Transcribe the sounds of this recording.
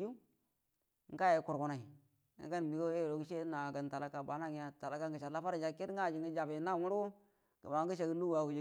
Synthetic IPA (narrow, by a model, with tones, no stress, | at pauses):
u˦ | ŋ̩˦ka˦je˨ku˨ɾku˨na˨ḭ˨˦ | ɡa˦n˨mi˨ɡo˦je˦˨o˨ki˦ʃe˦na˨ɡə˨n˨ta˨la˦ka˨ba˨˦na˦ɡja˨ta˨la˨˦ka˦ŋɡə˨ʃa˨la˦fa˦ɾd͡ʒa˨ki˦dɡa˦˨d͡ʒi˨ŋɡə˦d͡ʒa˨bi˨˦na˦˨wu˦ɾo˦ | ɡə˨ma˨˦ə˦ʃ̬a˨ɡə˦lu˦wa˨ɡu˨d͡ʒ